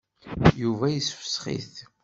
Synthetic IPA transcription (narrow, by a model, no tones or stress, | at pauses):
juvæjəsfə̥sχḭθ